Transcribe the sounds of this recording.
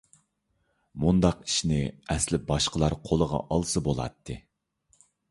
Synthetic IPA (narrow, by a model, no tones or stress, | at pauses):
mund̪ɑqi̥ʃinɪɛslɪp̚bɑʃqəlˠɑɾqʰolˠəʁɑ̰ʔɑlˠsɨbolˠɑ̰t̪ʰːɨ